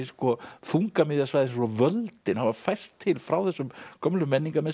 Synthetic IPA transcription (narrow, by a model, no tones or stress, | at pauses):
skɔfuŋkamɪðjasvajðɪnssɔvœlt̪ɪnhavaɾfajr̥st̪ʰːɪlfɾawθɛsːʏmkʰœmlʏmːɛnːiŋkamɛ